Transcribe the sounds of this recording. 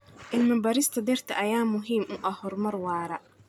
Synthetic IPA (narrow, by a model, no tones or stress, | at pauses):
ʔɪlmɐbɐɾɪst̪ʰɐd̪ɛrt̪ʰɐʔɐjaːmʊɦiːmʔʊʔɐhhɔrmɐrwɑːɾɐ